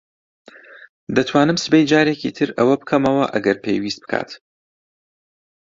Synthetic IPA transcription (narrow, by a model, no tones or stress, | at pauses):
d̪ɐt̪ʰwaːnɨmsɨbejd͡ʒaːɾecʰit̪ʰɨɾɐwɐbɨkʰɐmɐwɐʔɐɡɐɾpʰḛjwiːst̪̚bɨ̥kʰa̰ːt̪